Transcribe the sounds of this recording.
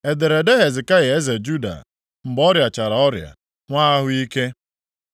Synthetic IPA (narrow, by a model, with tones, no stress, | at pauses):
e˨de˨ɾe˨de˦ɦe˨zɪ˨ka˦ja˨e˦ze˨d͡ʒu˦da̰˨ | m̩˨bɔ˦ɾja˨t͡ʃa˨ɾa˨ɔ˦ɾja̰˨ | ŋʷa˦a˦ɦʊ˦i˦ke˦